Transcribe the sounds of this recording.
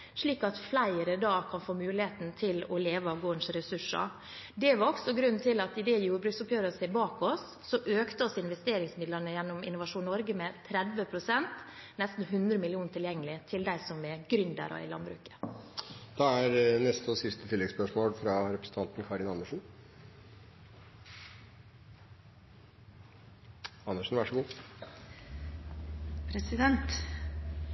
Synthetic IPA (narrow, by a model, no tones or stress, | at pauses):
ʂɭiːkɑt̪flæɪəɾəd̪ɑːkʰɑnfoːmʉːlɪheːt̪n̩t̪ʰɪlɔleːʋəɑʋɡoːnsɾɛsʉʂɑ̰ | d̪ɛʋɑɾɔksɔɡɾʉnːt̪ʰɪlɑt̪ɪd̪ɛjuːɾbɾʉːksʊpjøːʋɾəseːbɑːkɔsːɔʔøːkt̪əɔsɪnʋɛst̪eːɾɪŋsmɪd̪lənəjɛnːɔmɪ̰nʊʋɑʂuːnnɔɾɡəmɛt̪ʰɾɛd̪ʋəpʰɾʊsɛnt̪ | nɛst̪n̩ɦʉnd̪ɾəmɪlɪuːnət̪ʰɪljɛŋːəlɪt̪ʰɪld̪æɪsɔmɛɡɾʏnd̪ə̰ɾɔ̰ɪ̰lɑ̰nbɾʉ̰ːkə̥ | d̪̥ɑːæɾnɛst̪əɔsɪst̪ət̪ʰɪlːɛɡspœʂmoːlfɾɑɾɛpɾəsn̩t̪ɑnt̪n̩kʰɑɾɪnɑnːəʂn̩ | ɑnːəʂn̩ʋæʂəɡuː | pʰɾɛsɪd̪ɛnt̪